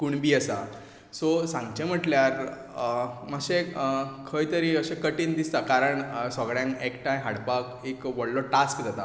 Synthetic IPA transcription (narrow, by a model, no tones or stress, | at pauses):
kuɳbiːəsa | sɔsãŋɡt͡ɕẽm̤əʈljaɾ | maɡɕekʰəjt̪əɾiəɕẽkəʈiːnd̪ist̪akaɾəɳsɔɡɽjãŋkekʈãjɦaɽpak | ekʋəɽlɔʈaskd͡zat̪a